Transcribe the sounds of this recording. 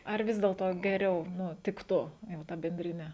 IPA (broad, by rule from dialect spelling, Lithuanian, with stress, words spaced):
ɐr ˈʋʲɪs dʲeːlˠtoː ɡʲɛˈrʲɛʊ ˈnʊ ˈtʲɪktʊ jɛʊ ˈtɐ bʲɛnʲdʲrʲɪˈnʲɛ